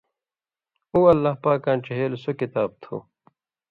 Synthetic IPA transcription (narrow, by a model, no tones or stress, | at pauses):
uːɐlːaːhpaːkãːnt͡ɕɐɦeːlsokit̪aːb̚t̪ʰo̰ː